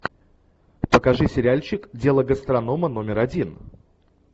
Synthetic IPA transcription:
pəkɐʐɨsʲɪɾʲalʲt͡ɕɪkdʲe̞lˠəɡəst̪ɾɐno̞məno̞mʲɪɾɐdʲin

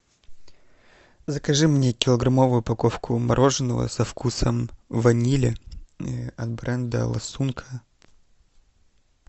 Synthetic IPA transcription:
zəkɐʐɨmnʲekʲɪlˠəɡɾɐmovʊjʊpɐkofkʰʊmɐɾʔo̞ʐɨnːəvə̰sɐfkusəmvɐnʲilʲɪ | ɐt̪bɾɛnd̪ə̰lˠɐ̰sunkʰə̥

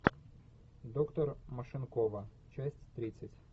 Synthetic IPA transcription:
d̪ɔkt̪ɔrmɐʃɪnkɔʋɐ | t͡ʃasʲtʲt̪ɾʲɪt͡sʲːɐtʲ

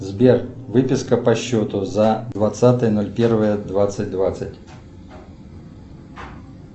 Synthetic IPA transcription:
zbʲervɨpʲɪskəpɐɕːot̪ʊzad̪vɐt̪sat̪ɨjənolʲpʲe̞rvɨjəd̪vat̪sɨt̚ʲd̪vat̪sɨtʲ

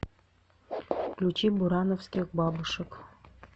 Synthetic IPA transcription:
klʲut͡ɕibuɾɑnofsʲt̪ʲekbɑbəʃɤ̆k

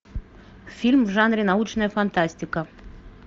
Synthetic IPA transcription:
fʲilʲmʒɑnɾinɑut͡ʃnəjəfant̪asʲt̪ʲikə

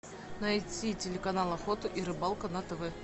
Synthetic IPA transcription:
nɐjtʲitʲɪlʲɪkɐnalˠɐxot̪ɨʔiɾɨbɑlˠkɐnat̪ɐvɛ

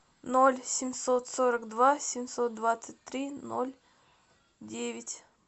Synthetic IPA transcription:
nolʲsʲɪmʲso̞t̪soɾəkd̪vasʲɪmʲsot̪̚d̪vat̪sɨt̚ʲt̪ɾʲino̰lʲ | dʲevʲɪtʲ

